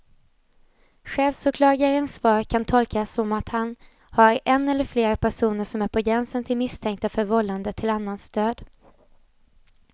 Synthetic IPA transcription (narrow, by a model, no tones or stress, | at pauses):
ɧɛːvsʊkʰlɑːɡaɾənsfɑːɾkʰant̪ʰɔlkasɔmat̪han | haɾɛnːɛlːəɾfleːɾpʰæʂuːnəʂɔmæɾpʰɔɡɾɛnsənt̪ʰɪlmɪst̪ʰɛŋk̚t̪afœɾvɔlːand̪ət̪ʰɪlanːanst̪øːd̪